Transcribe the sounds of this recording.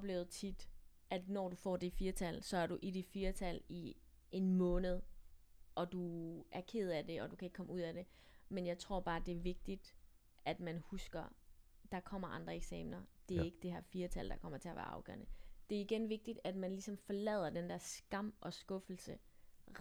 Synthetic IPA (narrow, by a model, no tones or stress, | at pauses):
ɒb̥le̝ːʊð̩ˠt͡sʰid̥ | æd̥nɒːd̥ufɒ̰ːd̥ifiːɐt͡sʰælsɒ̽æɐɾuʔid̥ifiːɐt͡sʰæli | ʔe̝nmɔ̽ːnəð̞̩ˠ | ɒ̽d̥uʔæɐkʰe̝ð̞̰ˠæd̥e̝ɒ̽d̥ukʰæe̝ɡ̥kʰɒ̽məuð̞̰ˠæɾ̥e̝ | menjɑ̈ɪt͡sʰʁo̝ɐb̥ɑ̈ːd̥e̝æɐʋe̝ɡ̥̚d̥id̥ | ʔæd̥mænhusɡ̥ɐ | d̥ɑ̈kʰɒ̽m̰ɐʔɑ̈nd̥ʁɐeɡ̥sɛ̰ːmnɐd̥e̝æɐe̝ɡ̥əd̥e̝ɦæɐ̰fiːɐt͡sʰæl̰d̥ɑ̈kʰɒ̽m̰ɐt͡sʰe̝ɐʋæ̰ɐɑ̈ʊɡ̥œ̰ɐnəd̥e̝æɐiɡ̥enʋe̝ɡ̥̚d̥id̥æd̥mænlisɒ̽mfɒ̽lɛ̰ð̞̰ˠɐd̥end̥ɛɐsɡ̥ɑ̈m̰ʔɒ̽sɡ̥ɔ̽fl̩sə